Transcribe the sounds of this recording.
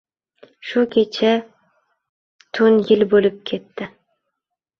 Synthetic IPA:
ʃukʲʰet͡ʃʰa | t̪ʰʊnjɪlbolɪp̚kʲʰe̞t̪ːɪ

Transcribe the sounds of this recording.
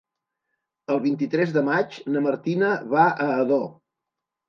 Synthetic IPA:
əlˠβint̪it̪ɾɛzðəmat͡ʃnəməɾt̪inəβaəːðo

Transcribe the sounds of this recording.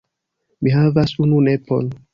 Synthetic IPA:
miɦavasununepo̞̰n

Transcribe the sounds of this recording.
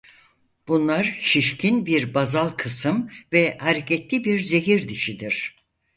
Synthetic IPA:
b̥unlˠaɾʃiʃcʰinbiɾbazalˠkʰɯsɯmvɛhaɾecʰɛt̪lʲibiɾze̞ɦiɾd̪iʃid̪iɾ̥

